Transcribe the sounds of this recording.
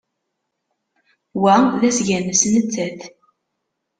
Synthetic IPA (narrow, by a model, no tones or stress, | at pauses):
wæðæsʝænəsnət͡sːæθ